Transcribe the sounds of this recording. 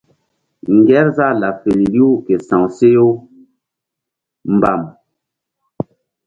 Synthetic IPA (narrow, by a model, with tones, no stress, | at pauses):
ŋ˨ɡɛ˦ɾza˦˨la˨fe˨li˨li˦u˦ke˨sã˨ŋse˦jo˦ | m˨ba˨m